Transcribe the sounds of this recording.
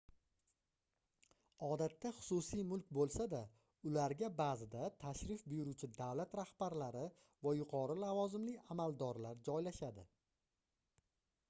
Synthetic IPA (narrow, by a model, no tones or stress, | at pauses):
ɒd̪at̪ʰːaχʊ̥sʊsijmʊlkʲbolˠsad̪a | ʊlaɾɡʲabazɪd̪at̪ʰaʃɾɪfbʊjʊɾʊt͡ʃʰɪd̪avlat̪ɾahb̥aɾlaɾɪ | vajʊqʰɒɾɪlavɒzɪmlɪamalˠd̪ɒɾlaɾd͡ʒɒjlaʃad̪ɪ